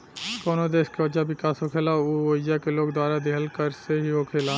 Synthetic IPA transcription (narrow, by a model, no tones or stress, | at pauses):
koːnod̪eːskeʋɐd͡ʒaʋɪkaːsɦoːkʰeːlauʋoːɪjakeloːɡd̪waːɾad̪eɦəlkəɾseɦiɦoːkʰeːla